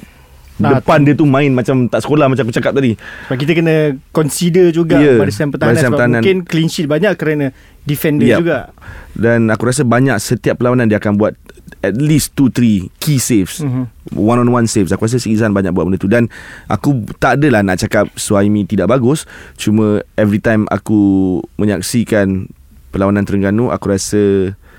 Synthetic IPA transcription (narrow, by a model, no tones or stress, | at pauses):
ddəpandiət̪umãɪnmãt͡ʃamt̪aʔsə̥kolahmat͡ʃãkut͡ʃakap̚t̪adisbakit̪əkənə̃kɔnsidəd͡ʒuɡajəadəsampət̪aadaniampt̪aɦanãnkɪnklinʃit̪̚baɲaʔkəɾana | difɛndəjad͡ʒuɡaʔdanakuɾas̬əbaɲaksət̪iap̚ːəlawanandiəːkanbuat̪̚ɛt̪̚list̪ut̪ɾikisefswanɔ̃nwansefsakuɾas̬əsiisanbaɲa̰k̚buat̚məndət̪udanʔa̰kut̪adəlahnaʔt͡ʃakap̚suaimĩt̪idaʔbaɡʊst͡ʃumə̃ɛvɾit̪ãjma̰kumə̃ɲak̚sikan | pəlawanãnt̪əɾəŋɡanuʔa̰kuɾasə